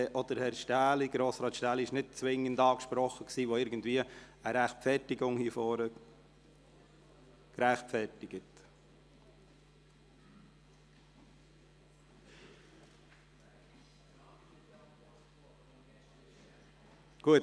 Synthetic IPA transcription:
ʔɔd̪̥əɾhɛɾʃtæːliɡ̥ɾoːsɾɑːt̪ʃtæːliɪʃnɪt̚t͡sʋɪŋːəndɑːkʃpɾɔχəksiːvʋoɪɾɡən̩dviəəɾæχtfɛtɪɡʊŋhifɔːɾə | kɾæχtfɛɾtɪɡ̥ət | ɡ̥uət

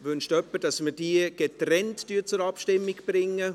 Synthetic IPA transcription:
vʏnʃtœpːəd̥ɑsməd̥iːəɡ̥etrɛntd̥yːt͡sʊɾɑpʃtɪmːɪɡb̥rɪŋːə

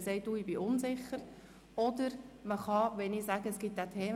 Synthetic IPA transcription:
sɛɪt̚d̥uːɪb̥iʔʊnsɪχəɾ | ɔd̪əɾməχɑʋɛnɪsæɡəəsɡ̥ɪt̪̚ːætʰeːm

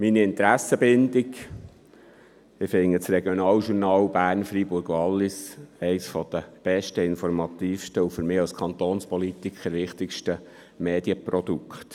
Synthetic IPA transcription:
miniɪnt̪ɾæsːəbɪnd̪ɪɡ | ɪfɪŋːət͡srɛɡjɔnɑːlʃuɾnɑːlbæːɾnfɾibʊɾɡʋɑlːɪsɛɪsfɔd̥̪əb̥ɛʃtəɪnfɔɾmɑt̪iːfʃtəufʏɾmɪːɑlskʰχɑnt̪oːnspɔlit̪ikχəɾʋɪχt̪ɪkʃtə | meːd̪jəpɾɔd̪ukʰχt̪

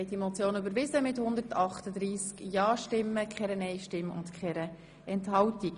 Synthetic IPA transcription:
ɪdimɔt͡sjoːnybəɾʋɪzəmɪthʊnd̪əɾtɑχtəd̪ɾiːskjɑːʃtɪmːəkχɛɾənɛɪʃtɪmːʊ̰ntkχɛɾə | ɛnthɑwtik

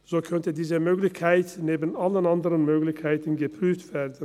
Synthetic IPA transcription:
z̥oːkʰœntədiːzəmøːklɪçkʰaɪtneːbən̩ʔalənandəʁənmøːɡlɪçkʰaɪtən̩ɡəpʁ̥yːftv̥eːdən̩

